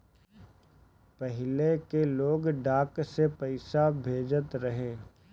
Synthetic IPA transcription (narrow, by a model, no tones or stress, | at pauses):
pəɦɪlekeloːɡɖaːksepɐɪsabʱeːd͡ʒət̪ɾɐɦẽː